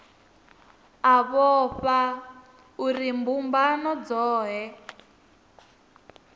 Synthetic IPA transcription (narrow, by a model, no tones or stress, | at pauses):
aβɔɸa | urimbumbanɔd͡zɔːɦɛ